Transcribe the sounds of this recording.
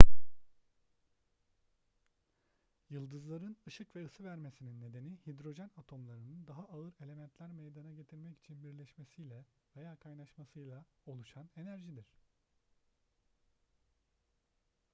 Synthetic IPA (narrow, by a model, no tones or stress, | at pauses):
jɯlˠd̪ɯzlˠaɾɯnɯʃɯkvɛɯsɯvæɾme̞sininːe̞d̪e̞nihid̪ɾo̞ʒænat̪ʰo̞mlˠaɾɯnɯnd̪aɦaʔaɯɾe̞lʲe̞mænt̪lʲæɾme̞jd̪anaɟe̞t̪ʰiɾmɛci̥t͡ʃʰinbiɾlʲɛʃmesijlʲɛ | ve̞jaːkʰajnaʃmasɯjlˠao̞lˠuʃane̞næɾʒid̪iɾ̝̥